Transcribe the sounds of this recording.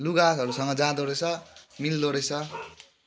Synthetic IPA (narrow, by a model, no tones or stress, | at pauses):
luɡasʌɾusʌŋɡʌd͡zãd̪oɾet͡sʰʌmild̪oɾet͡sʰʌ